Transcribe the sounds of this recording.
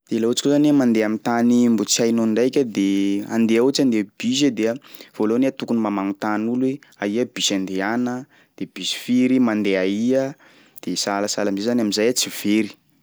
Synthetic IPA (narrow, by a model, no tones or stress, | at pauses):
d̪̥elaut͡si̥kozanmand̪eamint̪animbut͡siajnoniɳɖ͡ʐajkʲəd̪ea̰nd̪eaut͡ʃand̪eb̥isəd̪eəv̥oloneat̪ukunimamaŋut̪anulweaiəb̥isand̪eanə | d̪̥eb̥isi̥fiɾimand̪eaiə | d̪̥esalasalamizezanamizajat͡siv̥eɾi̥